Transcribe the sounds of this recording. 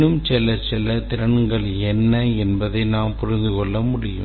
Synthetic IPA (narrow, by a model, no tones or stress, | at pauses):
nɯmt͡ʃɛlɐt͡ʃɛlɐt̪ɪɾɐɳŋɡɐɭ | ɛnːɐɛnbɐðɐɪnaːmpʊɾɪnd̪ɯkɔɭːɐmʊɽɪjɯ̰